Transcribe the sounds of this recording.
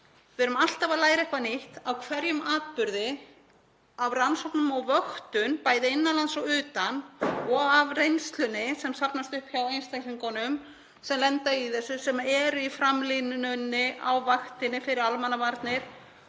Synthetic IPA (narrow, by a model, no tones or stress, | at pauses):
vɛɾʏmal̥t̪avaðlaːjɾɛhkvanɪht̪awkʰvɛɾjʏmaːt̪̚pʏɾðɪ | avransɔwknʏmɔɣvœxt̪ʏnpaːjðɪɪnːanlansɔwʏːt̪anɔɣavrejnst̪lʏnɪsɛmsapnast̪ʏhpçawejnst̪akliŋkɔnʏm | sɛmlɛnt̪aiθɛsːʏsɛmɛɾʏifɾamlinʏnːɪʔa̰wvaxt̪ɪnːɪfɪɾɪɾalmanːavaɾt̪nɪɾ̥